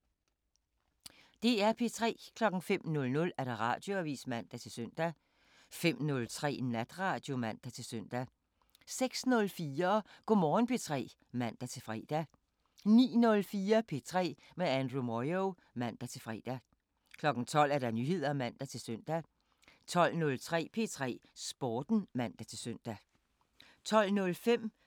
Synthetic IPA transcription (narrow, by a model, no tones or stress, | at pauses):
d̥e̝æɐpʰe̝t͡sʰʁɛ̰ːkʰlɒ̽ɡ̥ŋ̩fem̰nɔ̽lnɔ̽læɐɾ̥ɑʁɑ̰̈d̥jo̝æʋḭːsmæn̰d̥æt͡sʰe̝lsøn̰d̥æ | fem̰nɔ̽lt͡sʰʁɛ̰ːnæd̥ʁɑ̈ːd̥jo̝mæn̰d̥æt͡sʰe̝lsøn̰d̥æ | seɡ̥snɔ̽lfiːɐɡ̥omɒːn̩pʰe̝t͡sʰʁɛ̰ː | mæn̰d̥æt͡sʰe̝lfʁɛ̰ːd̥æ | nḭːnɔ̽lfiːɐpʰe̝t͡sʰʁɛ̰ː | meænd̥ʁumɒɪoʊ | mæn̰d̥æt͡sʰe̝lfʁɛ̰ːd̥æ | kʰlɒ̽ɡ̥ŋ̩t͡sʰɒ̽l̰æɐd̥ɑ̈nyhe̝ð̞̰ˠɐmæn̰d̥æt͡sʰe̝lsøn̰d̥æ | t͡sʰɒ̽l̰nɔ̽lt͡sʰʁɛ̰ːpʰe̝t͡sʰʁɛ̰ːsb̥ɒːd̥n̩mæn̰d̥æt͡sʰe̝lsøn̰d̥æ | t͡sʰɒ̽l̰nɔ̽lfem̰